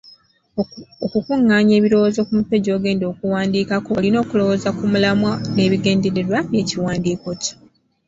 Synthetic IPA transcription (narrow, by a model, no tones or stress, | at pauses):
okukuŋːaːɲe̞ːβiɾo̞wozo̞kumupe̞ɟo̞ːɡe̞ːndo̞ːkuwaːndiːkakolino̞ːkulo̞wozakumulamwane̞ːβiɡe̞ːnde̞ɾe̞ɾwaβje̞ːciwaːndiːko̞co̥